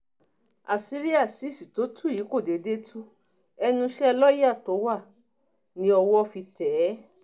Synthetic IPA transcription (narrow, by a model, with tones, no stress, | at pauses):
a˨si˦ɾi˦a˦˨si˨˦˨si˨to˨˦tʰu˦˨i˨˦ko˦˨de˨de˦tʰu˦ | ɛ˧nũ˧ʃɛ˦˧lɔ˦ji˦a˦˨to˨˦wa˦˨ | nĩ˧˦ɔ˧wɔ˧fi˧tɛː˨˦